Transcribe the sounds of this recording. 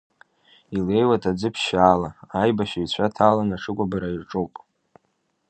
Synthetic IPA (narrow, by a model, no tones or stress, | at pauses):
ile̞jwatʰʼad͡zɨpʰʃaːlaajbaʃait͡ɕʷʰatʰaːlanaʂʰɨkʷʼabaɾaiʈ͡ʂʼowpʼ